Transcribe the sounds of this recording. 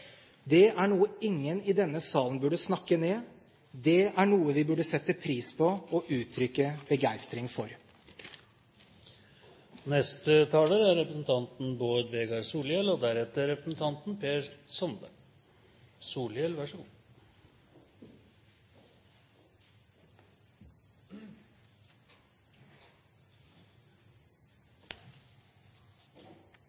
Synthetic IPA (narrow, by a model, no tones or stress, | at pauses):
d̪ɛæɳuːəɪŋːənɪd̪ɛnːəsɑːlən̩bʉɖəsnɑkːəneː | d̪ɛæɳuːəʋɪbʉɖəsɛt̪ːəpʰɾiːspʰɔɔʔʉːt̪ʰɾʏkːəbəɡæɪst̪ɾɪŋfɔɾ | nɛst̪ət̪ʰɑːləɾæɾɾɛpɾəsn̩t̪ʰɑnt̪n̩boːd̪əʋeːɡɑɾsuːljɛlɔd̪æɾɛt̪ːəɾɛpɾəsn̩t̪ʰɑnt̪n̩pʰeːɾsɔnb̪ə | suːljɛlʋæʂɔɡṵː